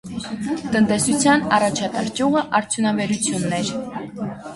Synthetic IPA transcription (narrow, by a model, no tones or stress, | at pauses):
t̪ənt̪ɛsut͡sʰjɑnɑrɑt͡ʃʰɑt̪ɑɾt͡ʃuʁəʔɑɾt͡sʰjunɑvɛɾut͡sʰjunːɛɾ